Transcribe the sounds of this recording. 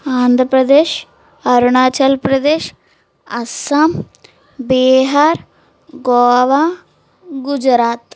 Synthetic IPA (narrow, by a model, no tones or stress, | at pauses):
aːnd̪ʱɾəpɾɐd̪eːʃ | ɐɾɳaːt͡ʃɐlpɾɐd̪eːʃ | ɐsɐm | beːɦaɾ | ɡoːʋa | ɡʊd͡ʒɾaːt̪